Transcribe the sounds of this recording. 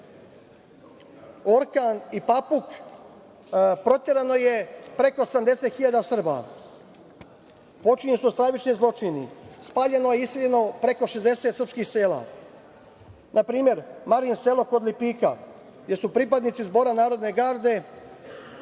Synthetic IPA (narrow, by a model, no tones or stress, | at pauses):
o̞ɾkanipapuk | pɾo̞t̪ʲjeɾano̞je̞pɾe̞ko̞samd̪e̞set̪xiʎaːd̪asr̩ba̰ | po̞t͡ʃiɲesust̪ɾaʋit͡ʃnizlˠo̞t͡ʃinḭspaːʎe̞nojeisiʎeno̞pɾe̞ko̞ʃe̞zd̪e̞set̪srpskixse̞ːla̰ | nʔapɾiːme̞ɾmaɾinselˠo̞ko̞d̪lipiːka̰ | ɡd̪e̞supɾipad̪nit̪sizbo̞ːɾanaːɾo̞d̪ne̞ɡaːɾd̪e̞